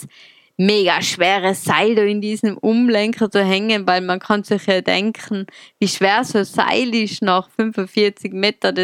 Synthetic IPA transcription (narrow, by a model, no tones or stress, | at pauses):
meːɡaʃv̥ɛːʁəsaɪdoɪndiːzəmʊmlɛŋkʰət͡suɦɛŋənvaɪlmankʰɑnsɪχjɑːdɛ̰ŋkʰn̩viːʃv̥ɛːɐsoːsa̰ɪlɪʃnaχfʏnfʊnfiːɐt͡sɪkmeːtɐdɛ